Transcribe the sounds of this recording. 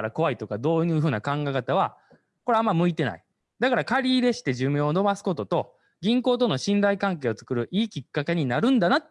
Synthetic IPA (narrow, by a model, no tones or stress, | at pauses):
ɾako̞βait̪o̞kad̪o̞ːjɯ̟ːɸɯ̟ːnakãŋɡaikat̪aβ̞a | ko̞ɾe̞amːamɯ̟it̪e̞na̰i | d̪akaɾakaɾʲiːd̪e̞ɕi̥t̪e̞ʑɨːmʲẽono̞basɨ̥ko̞t̪o̞t̪o̞ | ɡʲĩŋko̞ːt̪o̞no̞ɕĩnd̪aikãŋke̞ːot͡sɨ̥kɯ̟ɾɯ̟ʔiːkʲikːake̞ɲ̟inaɾɯ̟̃nd̪anat̪ː